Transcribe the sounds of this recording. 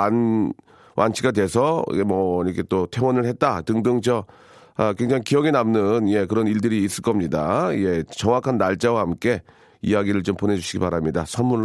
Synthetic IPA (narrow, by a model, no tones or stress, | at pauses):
an | wʔa̰nt͡ɕʰiɡadwe̞sʰʌ̰mʌiɾʌkʰe̞t͈otʰe̞ŋwʌnɯɭhe̞t̚t͈atɯŋdɯŋt͡ɕʰʌ | ʌkwe̞ŋd͡ʑaŋikiʌɡenamnɯnje̞kɯɾʌniɭdɯɾiːs͈ɯɭk͈ʌmɲidaḭje̞t͡ɕʌŋwakʰanːaɭt͡ɕ͈awahamk͈e̞ | ḭjaɡiɾɯɭt͡ɕompone̞d͡ʑuɕʰiɡipaɾamɲidasʰʌnmːuɭ